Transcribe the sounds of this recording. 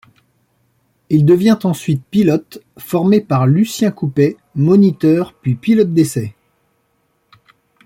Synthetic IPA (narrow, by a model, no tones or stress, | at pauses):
ild̪əvjɛ̃t̪ɑ̃sɥit̪̚pilɔt̪ | fɔʁmepaʁlysjɛ̃kupɛ | mɔnit̪œʁpɥipilɔt̪̚d̪esɛ